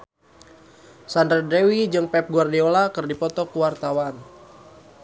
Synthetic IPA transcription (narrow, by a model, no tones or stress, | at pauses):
sandɾadewid͡ʒɨŋpɛp̚ɡuardiolakɨrdipɔt̪ɔkuwart̪awan